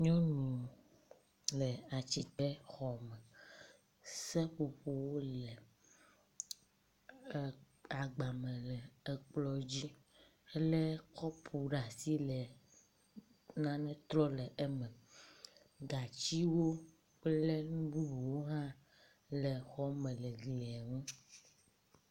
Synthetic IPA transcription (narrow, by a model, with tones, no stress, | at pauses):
ɲɔ̃˦nũ˨ | lɛ˨a˨t͡ɕi˦t̪ɛ˦xɔ˨mɛ˨ | sɛ˦ɸo˨ɸo˦wo˦lɛ˨ | a˨ɡ͡ba˨mɛ̃˨lɛ˨ɛ˨k͡plɔ˦d͡ʑi˦ | e˦lɛ˦kɔ˦pʰu˨ɖa˨si˦lɛ˨ | nã˦nɛ̃˦t̪ɾɔ˦lɛ˨ʔe˦mɛ̃˨ | ɡa˨t͡ɕi˦wo˦ | le˦nũ˦bu˦bu˨wo˦ɦã˦ | lɛ˨xɔ˦mɛ̃˨lɛ˨ɡlɛ˨ɛ˨ŋũ˦